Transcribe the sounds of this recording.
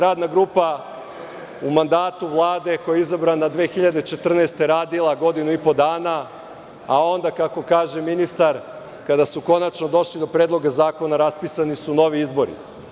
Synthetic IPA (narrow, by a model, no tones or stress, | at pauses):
ɾaːd̪naɡɾuːpa | umand̪aːt̪uʋlˠaːd̪e̞ko̞jeizabɾanːad̪ʋeːxiʎad̪et͡ʃe̞t̪r̩neːst̪e̞ɾaːd̪ilˠaɡo̞d̪inuipo̞d̪aːna | ao̞nd̪akako̞kaːʒe̞minist̪aɾ | kad̪asuko̞nat͡ʃno̞d̪o̞ʃlid̪o̞pɾeːd̪lˠo̞ɡazaːko̞naɾaspisanisuno̞ʋiizbo̞ɾḭ